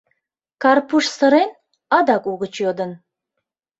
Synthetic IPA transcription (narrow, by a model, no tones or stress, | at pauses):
kʰarpʰuʂsəɾen | ad̪akʼuɣət͡ʃʰjod̪ən